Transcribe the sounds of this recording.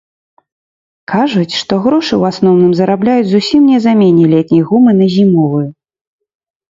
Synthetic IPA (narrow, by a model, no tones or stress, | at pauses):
kʰaʐut͡sʲʂt̪ɔɣɾɔʂɨwasnɔwnɨmzɐɾablʲajud͡zʲzusʲimnʲɛzamʲenʲɛlʲɛt̪ʲnʲɛjɣumɨnɐzʲimɔvɨjɛ